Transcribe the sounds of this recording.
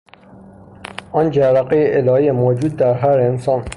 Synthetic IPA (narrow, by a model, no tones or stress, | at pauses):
ɔːnd͡ʒæɾæqejeʔelɒːiːemoːd͡ʒuːd̪̚ːæɾɦæɾensɑːn